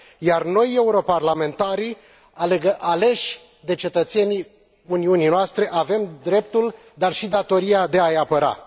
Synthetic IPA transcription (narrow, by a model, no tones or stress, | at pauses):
jarno̞je̞uɾo̞parlame̞nt̪aɾi | aleɡəʔale̞ʃʲ | d̪e̞t͡ʃe̞t̪ət̪se̞ni | uniuninoast̪ɾe̞ʔave̞md̪ɾe̞p̚t̪ul | d̪arʃid̪at̪o̞ɾiad̪e̞ajapəɾa̰